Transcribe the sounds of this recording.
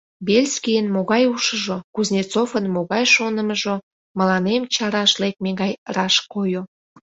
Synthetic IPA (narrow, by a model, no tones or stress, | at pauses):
belʲskijənmoɣɑjuʃəʒokuznʲit͡sofənmoɣɑjʃonəməʒo | məlɑnemt͡ɕɑɾɑʃlek̚meɣɑjrɑʃkojo